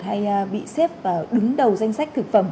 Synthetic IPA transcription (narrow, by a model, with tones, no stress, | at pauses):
t̚ha˧jːɓḭ˧˨se˦˥p̚vaː˨˩ɗɨ˨˦ŋɗə˨˩wza˧jŋ̟sa˦˥k̚t̪ʰɨ˨˩k̚fə˧˩m